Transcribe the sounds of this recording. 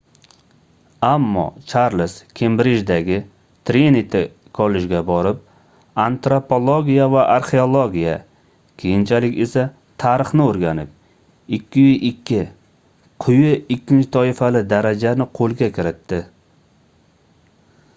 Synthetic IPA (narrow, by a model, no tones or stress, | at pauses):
amːɒ̰t͡ʃʰaɾlɪskʲʰembɾɪd͡ʒd̪aɡʲɪ | t̪ʰɾenit̪ʰɪ | kʰolɪd͡ʒɡʲabɒɾɪp̚ | ant̪ɾopʰolˠoɡʲijavaʔaɾχeolˠoɡʲija | kʲʰejɪnt͡ʃʰalɪkʲe̞sa | t̪ʰaɾɪχnɪoɾɡʲanɪp̚ | ɪkʲʰːɪjʊʔɪkʲʰːɪ | qʰʊjɪɪkʲːɪnt͡ʃʰɪt̪ʰɒɪfalɪd̪aɾad͡ʒanɪqʰolˠɡʲakʲɪɾɪt̪ːɪ